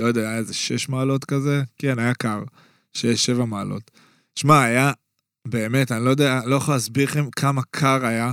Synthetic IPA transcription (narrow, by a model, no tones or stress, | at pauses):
ojdeaajaezeʃeʃmaːlo̞t̪kazekenajakaʁ | ʃeʃe̞vamaːlo̞̰t | ʃmaːja | be̞ːme̞tanilojod̪ealo̞jaχolaːsbiʁχemkʰamakʰaʁaja